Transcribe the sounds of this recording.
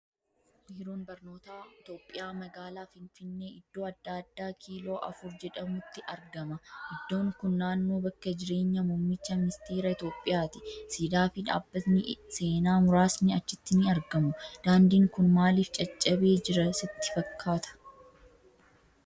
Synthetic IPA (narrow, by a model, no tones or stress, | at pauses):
miːɾoːnbɐɾno̞ːt̪aːɪt̪o̞ːpʼːɪjaːmɐɡaːlaːfɪnfɪnːe̞ːɪd̪ːo̞ːɐd̪ːaːɐd̪ːaːkʰiːlo̞ːʔɐ̰fʊɾd͡ʒɛᶑɐmʊt̪ːɪʔɐɾɡɐmɐʔɪd̪ːo̞ːŋkʊnːaːnːoːbɐkːɐd͡ʒɪɾe̞ːɲːɐmummɪt͡ʃːɐmɪnɪst̪e̞ːɾɐɪt̪o̞ːpʼːɪjaːt̪ɪ̥siːd̪aːfɪᶑa̰ːbːɐt̪nɪse̞ːnaːmʊɾaːsnɪɐt͡ʃːɪt̪ːɪnɪɐɾɡɐmʊd̪̥aːnd̪iːŋkʊnmaːliːft͡ʃʼɐt͡ʃʼːɐbe̞ːd͡ʒɪɾɐsɪt̪ːɪ̥fɐkʰːaːt̪ʰɐ̥